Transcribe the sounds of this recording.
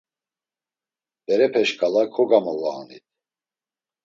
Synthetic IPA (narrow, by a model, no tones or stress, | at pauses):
b̪̥ɛɾɛpʰɛʃkʰalakʰɔɡamɔla̰ːnit̪̚ʰ